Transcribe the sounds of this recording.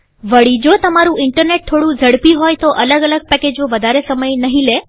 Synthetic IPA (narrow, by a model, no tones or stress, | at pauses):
ʋəɭid͡ʒot̪əmaɾũɪɳʈəɾneʈ̚t̪ʰoɽũd͡ʒʱəɽpiɦojt̪oʔələɡələɡ̚pɛked͡ʒoʋəd̪ʱaɾesəməjnəɦĩle